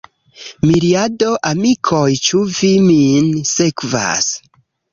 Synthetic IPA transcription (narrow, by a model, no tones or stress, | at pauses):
miɾiado̞ʔamikʰojt͡ʃuviminsekva̰s